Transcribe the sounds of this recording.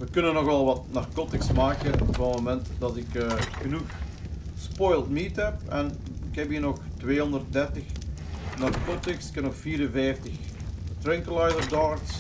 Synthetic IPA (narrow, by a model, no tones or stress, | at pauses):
ʋəkɵnənːɔxʋɛlˠʋɑtnarkɔtɪksmaːkəvɔmomɛntdɑtɪkːxənuxspɔjlˠtmitɛpɛn | ɪkɦɛpiːnɔxtwʋeːɦɔndərt̚dɛrtəx | nɑrkɔtɪksɪ̥kɛnɔxfiːɾənvɛjftəxtrɛŋkəlajzərdɑɹks